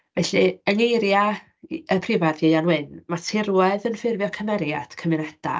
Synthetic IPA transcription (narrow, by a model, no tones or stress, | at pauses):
vɛɬiəŋejɾja | əpʰrɪvarðjijanwɪnmatʰɪɾwɛðənfɪrvjɔkʰəmɛɾjad̥kʰəmɪnɛd̥a̰